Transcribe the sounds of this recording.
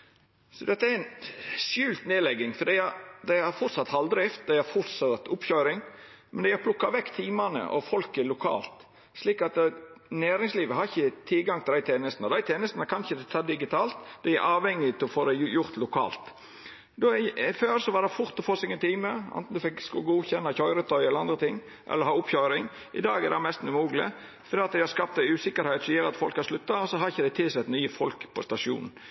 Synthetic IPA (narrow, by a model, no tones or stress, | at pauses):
sɔd̪ɛt̪ːəæɾɪnsjʉːlt̪neːlɛɡɪŋfɔɾd̪iɪæd̪æɪæɾfʊɾt̪sɑt̪hɑld̪ɾɪft̪̚d̪æɪæɾfʊɾt̪sɑt̪ʊpçøːɾɪŋ | mɛnd̪ɛɪhæɾpʰlʊkːɑʋɛɡt̪ʰiːmɑnə̰ʔɔ̰fɔlkəlʊkʰɑ̰ːlt̪ | sliːkɑt̪næːɾɪŋsliːʋəhɑɾɪçət̪ʰɪlɡɑŋt̪ɪlæɪt̪ʰeːnəst̪n̩ɔd̪æɪt̪ʰeːnəst̪nəkʰɑnçəd̪ɛt̪ʰːɑːd̪ɪɡɪt̪ʰɑːlt̪d̪ɛɪæɾʔɑːʋhɛŋːɪt̪ʰɪlɔfoːd̪ɛjʊɾt̪lʊkʰɑ̰ːlt̪ | d̪ɔføːɾsɔʋɑd̪ɛfʊɾt̪ɔfoːsɪŋənt̪ʰiːməɛ̰nt̪n̩d̪ʉfɪkskʊɡuːçɛnːɑçɔʏɾət̪ʰœʏɛləɾɑnd̪ɾət̪ʰɪŋː | ʔɛ̰lːəɾhɑːʊpçœʏɾɪŋ | ʔɪ̰d̪ɑːɡɛd̪ɛɛmɛst̪n̩ʉmuːɡlɪ̰ | fɔɾd̪iːɑt̪̚d̪æɪhɑɾskɑp̚t̪æɪʉːsɪkəɾhɛɪt̪sɔjøːɾɑt̪fɔlkhɑɾʂlʉt̪ːɑɔsɔɦɑɾɪçəd̪æɪt̪ʰɪlsɛt̪nyːəfɔlkpʰɔst̪ɑʂɪṵːn̩